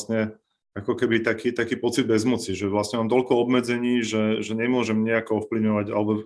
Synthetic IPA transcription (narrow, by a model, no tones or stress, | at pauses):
sɲɛ | akɔkɛbit̪akiːt̪akiːpɔt͡sid̪̚bɛzmut͡siʒɛʋlasɲɛmaːmt̪ɔʎkɔɔbmɛd͡zɛɲiːʒɛʒɛɲɛmʊɔʒɛmɲɛakɔɔfpliʊɲɔʋaɟa̰lɛbɔ